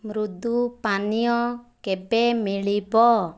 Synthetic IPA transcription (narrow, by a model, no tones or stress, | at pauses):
mɾud̪upanijɔkɛbemiɭibɔ